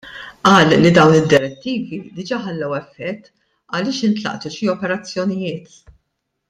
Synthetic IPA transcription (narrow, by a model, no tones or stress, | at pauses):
ʔɐːlːid̪ɐwnɪd̪ːɪɾɛt̪ːiːvid̪ɪd͡ʒɐħɐlːɐwɛfːɛt̪ː | ɐlɪːʃɪnt̪lɐ̰ʔt̪uʃiɔpɛɾɐt͡sːjɔnɪjɪːt̪